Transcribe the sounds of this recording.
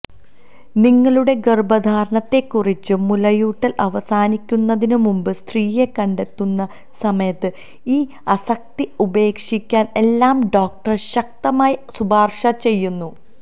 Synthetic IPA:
niŋːɐɭuɽe̞ɡerbɐd̪ʱaːɾɐɳɐt̪ːe̞kːurit͡ɕːɨmulɐjuːʈːɐlʔɐʋɐsaːnikʲːunːɐðinɨmumbɨst̪riːje̞kːɐɳɖe̞t̪ːunːɐ | sɐmɐjɐt̪ːɨ | iː | ɐsɐk̚t̪iube̞ːkʂikʲːaːne̞lːaːmɖo̞ːk̚ʈɐrɕɐk̚t̪ɐmaːjisubaːrʂɐt͡ɕe̞jːunːu

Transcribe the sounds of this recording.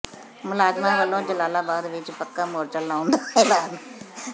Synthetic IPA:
mʊlaːzmãːʋəlːõːd͡ʒəlaːlaːbaːd̪ʋɪt͡ʃpəkːaːmoːɾt͡ʃəlːãːʊ̃nd̪aːpɛːlaːn

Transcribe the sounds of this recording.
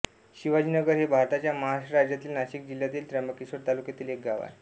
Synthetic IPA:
ɕiʋad͡ʑiːnəɡəɾɦebʱaɾt̪at͡ɕjaməɦaɕɾad͡ʑjat̪iːlnaɕik̚d͡ʑil̤jat̪iːlt̪ɾəməkisʋəɾt̪alukjat̪iːlek̚ɡaʋa̰

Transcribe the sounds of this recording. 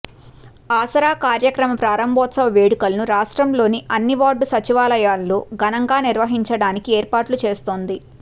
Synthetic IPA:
aːsɐɾaːkaːɾjɐkɾɐmɐpɾaːɾɐmbʱɔːt̪sɐʋɐʋeːɽukɐlnuɾaːʂʈɾɐmlo̞ːniʔɐnːiʋaːɖusɐt͡ʃiʋaːlɐjaːlːoːɡɐnɐŋɡaːniɾʋɐɦiɲt͡ʃɐɽaːnikieːɾpaːʈlut͡ʃeːst̪oːnd̪i

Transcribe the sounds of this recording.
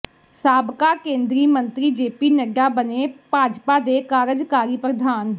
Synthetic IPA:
saːbkaːkẽːnd̪ɾiːmənt̪ɾiːd͡ʒeːpiːnəɖaːbəneːpaːd͡ʒpaːd̪eːkaːɾəd͡ʒkaːɾiːpəd̪ʱaːn

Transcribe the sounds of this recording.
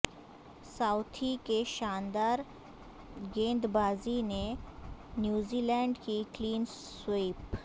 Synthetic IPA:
saʊt̪ʰikeʃaːnd̪aːɾ | ɡẽːnd̪baːzine | njuːziːlɛ̃ːɳɖkikliːn | sweːp

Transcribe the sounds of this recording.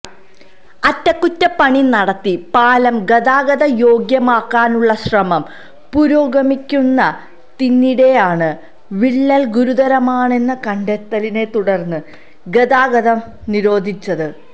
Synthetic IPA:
ɐtːɐkːutːɐpɐɳinɐɽɐt̪ːipaːlɐmɡɐðaːɡɐðɐjo̞ːɡjɐmaːkːaːnuɭːɐɕrɐmɐm | puɾoːɡɐmikʲːunːɐ | t̪inːiɽe̞jaːɳɨ | ʋiɭːɐlɡuɾuðɐɾɐmaːɳe̞nːɐkɐɳɖet̪ːɐline̞t̪uɽɐrnːɨ | ɡɐðaːɡɐðɐm | niɾo̞ːd̪ʱit͡ɕːɐðɨ

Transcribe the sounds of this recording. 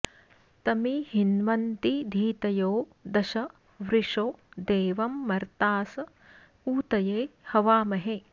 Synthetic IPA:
t̪ɐmihinʋɐnt̪id̪ʱiːt̪ɐjoːd̪ɐʃɐ | ʋɾiʂoːd̪eːʋɐmːɐɾt̪aːsɐ | uːt̪ɐjeːhɐʋaːmɐɦe

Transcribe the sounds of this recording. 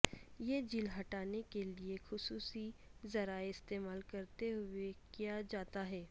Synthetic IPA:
jeːd͡ʒilɦɐʈaːnekeliexʊsuːsizɐɾaːeɪst̪eːmaːlkɐɾt̪eɦʊekijad͡ʒaːt̪aɦɛː

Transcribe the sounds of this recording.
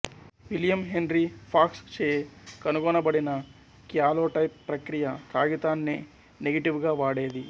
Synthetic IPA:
ʋiljɐmɦenɾipʰaːkst͡ʃeːkɐnuɡɔːnɐbɐɽinɐ | kjaːloːʈɐjpːɾɐkɾijɐt̪aːɡit̪aːnːeː | neɡɐʈiʋɡaːʋaːɽeːd̪i

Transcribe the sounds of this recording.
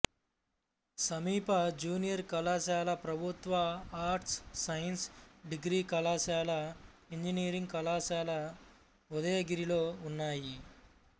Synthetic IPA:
sɐmiːpɐd͡ʒuːnijɐɾkɐlaːʃaːlɐpɾɐbʱut̪ʋɐaːɾʈsːɐjɐnsɖiɡɾiːkɐlaːʃaːlɐiɲd͡ʒiniːɾiŋɡkɐlaːʃaːlɐ | ud̪ɐjɐɡiɾiloːunːaːji

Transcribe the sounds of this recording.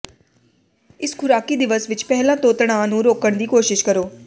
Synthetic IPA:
ɪskʰʊɾaːkiːd̪ɪʋəsʋɪt͡ʃpɛɦlãːt̪oːt̪ɽ̃ãːnũːɾoːkəɽ̃d̪iːkoːʃɪʃkəɾoː

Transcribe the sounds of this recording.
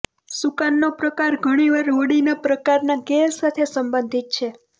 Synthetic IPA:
sukanːopɾəkaɾɡʱəɽ̃iʋaɾoɽinapɾəkaɾnakeːat̪ʰesəmbənd̪ʱit̪̚t͡ʃʰe

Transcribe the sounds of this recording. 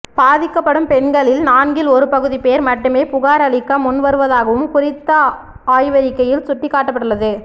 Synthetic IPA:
baːðɪkːɐpːɐɽɯmpɛɳɡɐɭɪlnaːnɡɪlɔɾɯpɐɣɯðipeːɾmɐʈːɯmeːpʊɣaːɾɐɭɪkːɐmʊnʋɐɾɯʋɐðaːɣɐʋɯmkʊrɪt̪ːɐ | aːjʋɐɾɪkːɐjɪlsʊʈːɪkːaːʈːɐpːɐɽɯɭːɐðɯ

